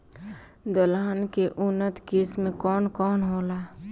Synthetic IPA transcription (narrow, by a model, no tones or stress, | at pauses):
d̪əlaːnkeʔʊnːət̪keːsmẽkɔːnkɔːnɦoːlaː